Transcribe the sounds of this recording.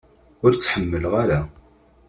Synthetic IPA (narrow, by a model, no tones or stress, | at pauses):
ʊɾt͡sːħəmːəlʁaɾa